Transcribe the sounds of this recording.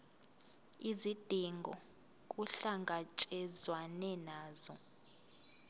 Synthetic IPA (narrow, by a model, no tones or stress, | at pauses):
izid̥ʱiŋɡʱɔ | kʼuɬaŋɡʱat͡ʃʼɛzwanɛnaːz̥ɔ